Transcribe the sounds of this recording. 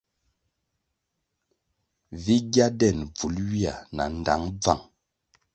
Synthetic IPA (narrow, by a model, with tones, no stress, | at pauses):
vi˦ɡja˦dɛ˦˨nb͡vu˨˦lwi˦a̰˨na̰˨n˨da̰˨˦ŋb͡va̰˦˨ŋ